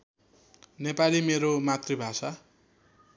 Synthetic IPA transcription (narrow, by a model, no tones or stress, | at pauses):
nepalimeɾomat̪ribʱasa